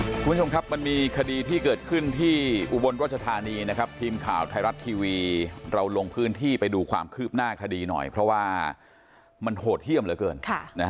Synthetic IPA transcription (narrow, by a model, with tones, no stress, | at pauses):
kʰu˧nt͡ɕʰo˧mkʰa˦˥p̚ma˧nmiː˧kʰa˧diː˧t̪ʰiː˥˩kɤː˨˩t̪̚kʰɯ˥˩nt̪ʰiː˥˩ʔu˧˩bo˧nɾaː˥˩t̪̚t͡ɕa˧t̪ʰaː˧niː˧na˦˥kʰa˦˥p̚t̪ʰiː˧mkʰa̰ː˨˩˦wt̪ʰa˧jɾa˦˥t̪ʰːiː˧wiː˧ɾa˧wlo˧ŋpʰɯː˦˥nt̪ʰiː˥˩pa˧jduː˧kʰwa̰ː˧mkʰɯː˥˩p̚naː˥˩kʰa˧diː˧nɔ̰˨˩jpʰɾɔ˦˥waː˥˩ | ma˧nhoː˨˩t̪̚hi˥˩əmlɯː˨˦jkɤː˧nkʰa˥˩na˦˥˦